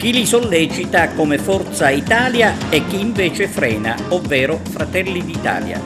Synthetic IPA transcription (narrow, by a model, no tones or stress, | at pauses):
k̟ilisolːɛːt͡ʃit̪akɔmɪfɔrt̪sait̪aːljaɛk̟ːiːɱvɛːt͡ʃɪfɾɛːna̰ɔvːɛːɾʊfɾat̪ɛlːid̪it̪a̰ːlja̰